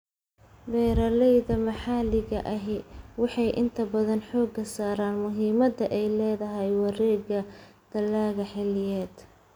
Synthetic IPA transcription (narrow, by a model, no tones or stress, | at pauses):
bɛːɾɐlɛjðɐmɐħɑːlɪɣɐʔɐɦɪwɑħɑjʔɪ̰nt̪ʰɐbɐðɐnħɔːɡɐsaːɾaːnmʊɦiːmɐd̪ɐʔɛjlɛːðɐɦɛjwɑrɛːɣɐd̪̥ɐlːaːɣɐħɛlɪjɛːd̪